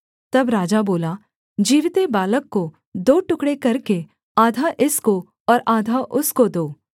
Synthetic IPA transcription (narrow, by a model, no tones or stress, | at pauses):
t̪ɐbɾaːd͡ʒaboːla | d͡ʒiːɾt̪ebaːləkːo | d̪oːʈʊkɽekɐɾke | aːd̪ʱaʔɪsko | ɔːɾʔaːd̪ʱaʔʊskod̪oː